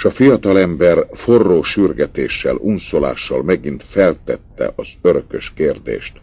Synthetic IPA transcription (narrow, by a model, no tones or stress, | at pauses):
ʃɒfijɒt̪ɒlɛmbɛrforːoːʃyrɡɛt̪eːʃːɛ̰lunsola̰ːʃːɒlmɛɡint̪fɛlt̪ɛt̪ːɛ̰ʔɒzøɾøkøʃkeːrd̪ḛːʃt̪